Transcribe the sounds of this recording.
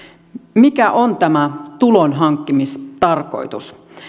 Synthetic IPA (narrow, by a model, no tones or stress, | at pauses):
mikæʔont̪æmæt̪ulonɦɑŋkːimist̪ɑrko̞̰jt̪us